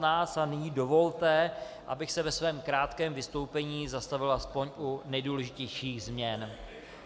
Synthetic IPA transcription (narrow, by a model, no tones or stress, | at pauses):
naːsanɪɲiːdo̞vo̞lt̪ɛ | ʔa̰bɪxsɛvɛsvɛːmkɾaːt̪kɛːmvɪst̪o̞wpɛɲiːzast̪avɪlʔaspo̞ɲʔunɛjduːlɛʒɪcɛjʃiːɣzmɲɛn